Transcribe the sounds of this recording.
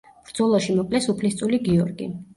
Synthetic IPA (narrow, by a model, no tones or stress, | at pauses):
b̥ɾd̪zɔlˠɔʃimɔkʼlɛsupʰlist̪ʼuliɡiɔɾɡḭ